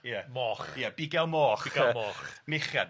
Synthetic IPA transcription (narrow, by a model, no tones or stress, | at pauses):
jəmɔːχjəb̥ɪɡɛlˠmɔːχiɡɛlˠmɔːχmɪχjad